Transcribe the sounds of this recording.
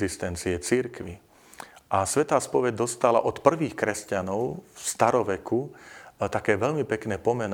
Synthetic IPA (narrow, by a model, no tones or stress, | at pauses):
zist̪ɛnt͡siɛt͡siɾkʋi | ʔasʋɛt̪aːspɔʋɛɟ̚d̪ɔst̪ala̰ʔɔt̪pr̩ʋiːxkɾɛscanɔʊst̪aɾɔʋɛkut̪akɛːʋɛʎmipɛknɛːpɔmɛn